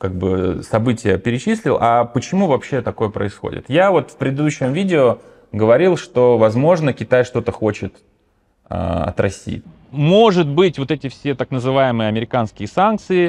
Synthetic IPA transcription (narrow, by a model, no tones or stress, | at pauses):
kaɡ̚bɨsɐbɨtʲɪjəpʲɪɾʲɪt͡ɕisʲlʲɪ̰lˠʔɐpət͡ɕɪmuvɐpɕːe̞t̪ɐko̞jəpɾə̰ɪsxo̰dʲɪ̰t̪javo̞t̪fpɾʲɪd̪ɨd̪uɕːɪmvʲidʲɪo | ɡəvɐɾʲilˠʂt̪o̞vɐzmo̞ʐnəkʲɪt̪ajʂt̪o̞t̪əxo̞t͡ɕɪt̪ | a̰ɐ̰t̪ɾɐsʲḭ | mo̞ʐɨt̪̚bɨtʲvo̞t̪ɛtʲɪfsʲe̞t̪aknəzɨvajɪmɨjəɐmʲɪɾʲɪkanskʲɪjəsank̚t̪sɨɪ